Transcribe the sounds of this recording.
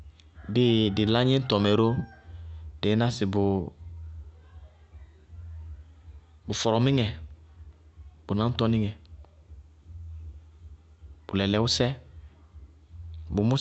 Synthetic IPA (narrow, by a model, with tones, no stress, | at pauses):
bɪ˦dɪ˨la˦ɲɛ˦n̩˦tɔ˨mɛ˨ɾo˦ | de˨˦na˦sɪ˨bʊ˨ | bu˨fɔ˨ɾɔ˨mɪ˦ŋɛ˨ | bu˨nã˨˦n̩˦tɔ˦ni˦ŋɛ˨ | b̥u˨lɛ˨lɛ˨wu˦sɛ˦ | bu˨mu˦